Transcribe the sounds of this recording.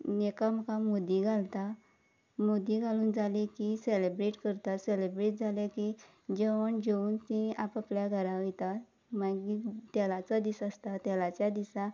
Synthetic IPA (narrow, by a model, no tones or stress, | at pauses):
nekam̤əkãmod̪iɡʱalt̪a | mod̪iɡʱaluːnd͡zʱalekiselebɾeʈkəɾt̪aselebɾeʈ̚d͡zʱaleki | d͡ʑeʋəɳd͡ʑeuːnt̪ĩapapljaɡʱəɾãʋit̪a | maɡit̪jɛlat͡sad̪isəst̪at̪jɛlat͡ɕjad̪isã